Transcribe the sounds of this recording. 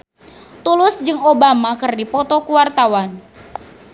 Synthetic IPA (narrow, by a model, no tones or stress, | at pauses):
t̪ulʊsd͡ʒɨŋobamakərdipɔt̪ɔkuwart̪awan